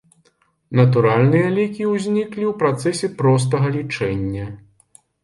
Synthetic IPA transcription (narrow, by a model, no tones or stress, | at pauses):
nɐt̪uɾalʲnɨjɐlʲikʲiwzʲnʲiklʲiwpɾat̪sɛsʲɛpɾɔs̬t̪ɐɣɐlʲit͡ʂɛnʲːɐ